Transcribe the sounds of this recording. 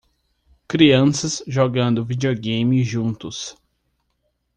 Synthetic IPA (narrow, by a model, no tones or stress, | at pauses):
kɾiɐ̃sɐzʒoɡɐ̃nd̪ʊvid͡ʒeoɡẽjmɪʒũnt̪ʊs